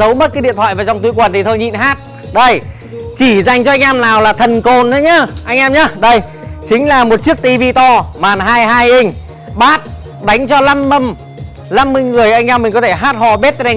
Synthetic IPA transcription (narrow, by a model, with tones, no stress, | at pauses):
zə˨˦wmə˦˥t̚kaː˨˦jɗḭ˧˨ənt̪wa̰ː˧˨jvaː˨˩t͡ɕɔ˧wŋ͡mt̪u˧˦jkwə˨˩nt̪ʰi˨˩t̪ʰo˧jɲḭ˧˨nɦaː˦˥t̚ | ɗə˧j | t͡ɕi˧˩za˨˩jŋ̟t͡ɕɔ˧ʔa˧ŋ̟ʔaː˧mnaː˨˩wlaː˨˩t̪ʰə˨˩nko˨˧˩nɗə˨˦jɲaː˧ʔa˧jŋ̟ʔaː˧mɲa˨˦ɗə˧j | t͡ɕï˨˦ŋ̟laː˨˩mo˨˩t̚t͡ɕi˦˥ək̚t̪i˧vi˧t̪ɔ˧maː˨˩nɦaː˧jaː˧jʔi˧ŋ̟ | ɓaː˦˥t̚ | ɗa˨˦jŋ̟t͡ɕɔ˧la˧mːə˧m | la˧mːɨ˧jŋɨ˨˩əjʔa˧jŋ̟ʔaː˧mï˨˩ŋ̟kɔ˨˦t̪ʰe˧˩ɦaː˦˥t̚hɔ˧˩ɓe˦˥t̚ɛ˧